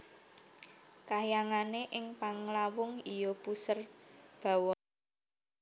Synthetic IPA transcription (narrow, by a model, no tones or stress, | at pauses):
kajaŋaneʔɪŋpaŋlawʊŋijɔpusərb̥a̤wɔn